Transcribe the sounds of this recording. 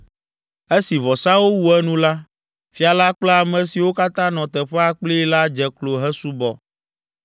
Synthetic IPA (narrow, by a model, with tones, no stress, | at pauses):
e˦si˨vɔ˨sa˦wo˦wu˨ɛ˦nũ˦la˦ | fi˦a˨la˦k͡plɛ˦a˨mɛ̃˨si˨wo˦ka˦t̪ã˦nɔ̃˨t̪ɛ˨ɸɛ˦a˨k͡pli˦la˦d͡ʒɛ˨klo˨ɦɛ˦su˦bɔ˨